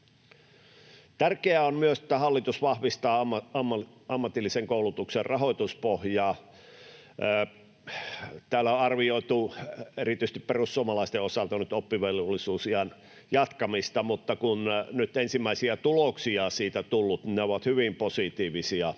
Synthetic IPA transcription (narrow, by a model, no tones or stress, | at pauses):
t̪ærkeæonmyøsĕ̥t̪ːæhɑlːit̪usʋɑhʋist̪ɑːɑ | ɑmːɑt̪ilːiseŋkoulut̪ukserrɑhoˑit̪uspohjɑː | t̪æːlæoɑrʋioit̪uerit̪yˑis̆t̪ipperusːuomɑlɑist̪eosɑlt̪ɑnyt̪opːiʋelolːisuːsiɑn | jɑt̪kɑmist̪ɑmut̪ːɑkunnyt̪ensimːæisiæt̪uloksiɑsiːt̪æt̪ulːut̪nineoʋɑt̪hyʋimposit̪iːʋisiɑ